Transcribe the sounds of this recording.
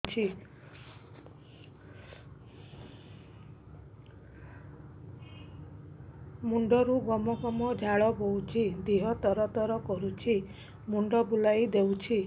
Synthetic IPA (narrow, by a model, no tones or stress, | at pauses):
t͡ʃʰi | muɳɖɔɾuɡɔmɔkɔmɔd͡ʒʱaɭɔbowt͡ʃʰid̪iɦɔt̪ɔɾɔt̪ɔɾɔkɔɾut͡ʃʰi | muɳɖɔbulajd̪ewt͡ʃʰi